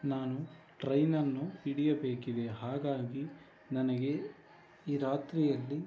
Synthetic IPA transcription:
naːnu | ʈɾɐjnɐnːuiɽijɐbe̞ːkid̪e̞ɦaːɡaːɡi | nɐnɐɡe̞ | iːɾaːt̪ɾijɐlːi

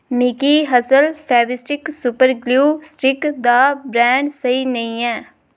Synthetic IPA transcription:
mɪkiɦəsəlpʰɛːbɪsʈɪksʊpəɾɡluːsʈɪkd̪aːbɾɛ̃ːɳɖsəinəĩɛ̃ː

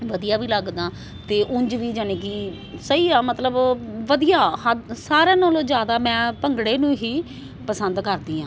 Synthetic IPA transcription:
ʋəd̪ijaːʋiːləɡd̪aː | t̪eːʔʊɲd͡ʒʋiːd͡ʒəneːɡiː | səiːaːmət̪ləbʋəd̪ijaːhəsaːɾãːnoːloːd͡ʒjaːd̪aːmɛ̃ːpəŋɡɽeːnũːɦiː | pəsənd̪kəɾd̪iːãː

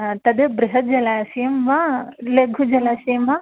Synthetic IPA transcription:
t̪ɐd̪ebɾɪɦɐd͡ʒɐlaːsijɐmʋaleɡʱud͡ʒɐlaːsijmʋa

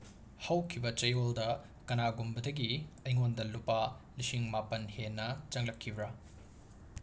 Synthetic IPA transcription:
hɐwkʰibɐt͡ʃɐjoldɐ | kɐnaɡumbɐdɐɡiɐjŋondɐlupːalisiŋmapɐnhenːɐt͡ʃɐŋlɐkʰːibɾa

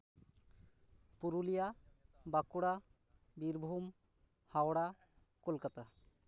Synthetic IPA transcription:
puɾulijabakuɽa | biɾbʱum | hawɽa | kulkat̪a

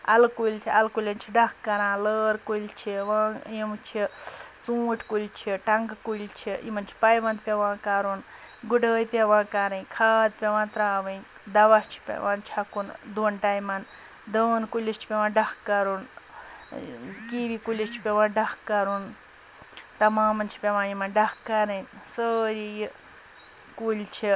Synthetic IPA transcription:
ɐ̰lkuilt͡ʃʰiɐlkulʲɐnt͡ʃʰiɖɐkkːɐɾãːləːɾkult͡ʃʰiʋãːjimt͡ʃʰit͡sũːʈʰkulʲt͡ʃʰiʈɐŋɡkuilʲt͡ʃʰiḭmɐnt͡ʃʰi̥pɐjʋɐnd̪̚pʲeʋãːkɐɾun | ɡuɖəːjpʲeʋãːkɐɾɐĩkʰaːd̪̚pʲeʋãːt̪ɾaːʋɐĩ | d̪ɐʋast͡ʃʰi̥pʲḛʋãːnt͡ʃʰɐkund̪uːnʈaːjmɐn | d̪ənkulʲist͡ʃʰi̥pʲeʋãːnɖɐkːɐɾun | kiːʋikulʲist͡ʃʰi̥pʲeʋãːnɖɐkːɐɾun | t̪ɐmãːmɐnt͡ʃʰi̥pʲeʋãːjimɐnɖɐkːɐɾɐnsəːɾiji | kulʲt͡ʃʰi

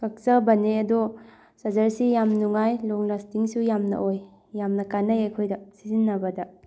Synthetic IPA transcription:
kɐk̚sɐbɐneɐdɔ | sɐzɐɾsijamnuŋajloŋlastiŋsujamnɐ̰ʔoj | jamnɐkanɐjɐjkʰojdɐsizinːɐbɐdɐ

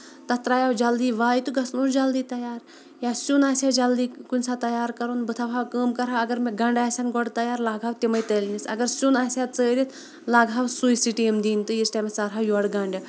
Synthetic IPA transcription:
t̪ɐt̪ɾaːjawd͡ʒɐld̪iːʋaːjt̪ɨɡɐsnuːɾd͡ʒɐld̪iːt̪ɐjaːɾ | jaːsunaːsʲad͡ʒɐld̪iːkunʲsat̪ɐjaːɾkɐɾunbɨt̪ʰaʋaːwkəːmkɐɾaɐɡɐɾmeɡɐɳɖʲaːsʲanɡɔɽt̪ɐjaːɾlaːɡʱaːwt̪imɐjt̪əlʲnisɐ̰ɡɐɾsunaːsʲaːt͡səːɾʲit̪ʰ | laːɡʱaːwsujsiʈimd̪iːnt̪ɨjisʈamesaɾɦaːjɔɽɡɐɳɖʲɐ

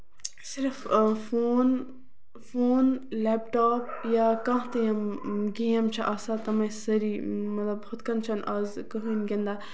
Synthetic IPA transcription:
sɪɾffoːn | foːnlɛːpʈaːpjakɐ̃ɦt̪ɐjɐmɡeːɐmt͡ʃʰɐʔɐsat̪ɐmɐ̃sɐɾimɐt̪lɐbhʊt̪kɐnt͡ʃʰɐnʔɐzkɐɦunɡend̪aː

